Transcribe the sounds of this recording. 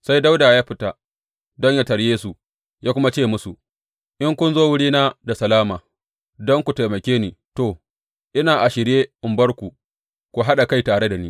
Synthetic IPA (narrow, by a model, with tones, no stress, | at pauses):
sa˦jda˦wdaː˨jaː˦ɸɪ˦ta˨ | dɔ˦ɲja˦tɐ˨ɽjeː˦su˨ | jaː˦kʷʊ˦ma˦t͡ʃeː˦˨mʊ˦su˨ | ʔɪ˦ŋkʷʊ˦nzoː˦wʊ˦ɽiː˦naː˦da˨sɐ˨laː˦maː˨ | dɔ˦ŋkʷu˨ta˨jmɐ˨kʲeː˦niː˨to˦˨ | ʔɪ˦naː˨ʔa˨ʃɪ˨ɽjeː˦ʔɪ˨mbɐ˦ɽkʷu˨ | kʷu˨ɦa˦ɗa˨ka˦jtaː˨ɽe˦da˨niː˦